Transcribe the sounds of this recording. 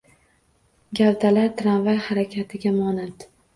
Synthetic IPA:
ɡʲavd̪alaɾt̪ʰɾanvajhaɾakʲʰat̪ʰɪɡʲamɒnat̪

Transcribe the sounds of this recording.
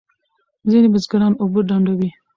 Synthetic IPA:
zinibazɡaɾɑnobəɖaɳɖawi

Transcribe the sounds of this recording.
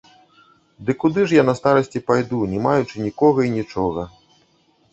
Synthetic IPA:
d̪ɨkud̪ɨʐjanɐst̪aɾɐsʲt͡sʲipajd̪unʲɛmajut͡ʂɨnʲikɔɣɐinʲit͡ʂɔɣɐ

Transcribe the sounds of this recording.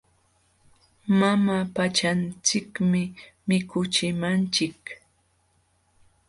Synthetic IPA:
mamapat͡ʃant͡sɪkmɪmɪkʊt͡ʃɪmant͡ʃɪk

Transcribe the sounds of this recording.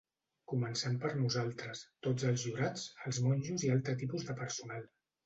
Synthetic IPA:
kumənsɛmpəɾnuzalˠt̪ɾəst̪od͡zəlˠzʒuɾat͡səlˠzmɔnʲʒuzialˠt̪ɾət̪ipuzðəpəɾsunalˠ

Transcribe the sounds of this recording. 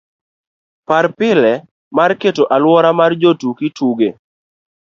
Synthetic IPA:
paɾpɪlɛ | marketoʔalwɔɾamard͡ʒotukɪtuɡe

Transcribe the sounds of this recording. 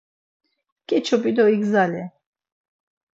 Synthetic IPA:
kʼɛt͡ʃʰɔpʼid̪ɔiɡzalɛ

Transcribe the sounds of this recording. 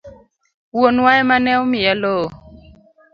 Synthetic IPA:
wonwaɛmanɛumijalo

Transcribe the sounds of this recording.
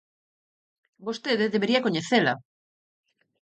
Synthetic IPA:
bost̪eðeðeβeɾiakoɲeθela

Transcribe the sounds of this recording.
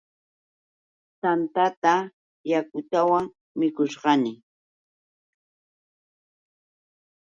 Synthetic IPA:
t̪ant̪at̪a | jakʊt̪awaŋ | mɪkʊʃɢɑnɪ

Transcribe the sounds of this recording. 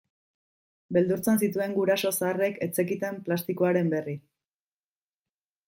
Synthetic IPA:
be̞ld̪uɾt͡sensit̪ue̞ŋɡuɾaso̞saːre̞ke̞t͡se̞kit̪e̞mplast̪ikoaɾe̞mbe̞ri

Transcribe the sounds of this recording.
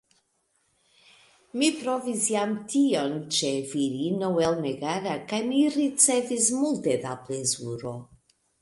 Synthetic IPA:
mipɾɔvizjamtʰiɔnt͡ʃeviɾinowɛlˠmɛɡaɾakajmirit͡sɛvizmulˠteðaplɛzuɾo

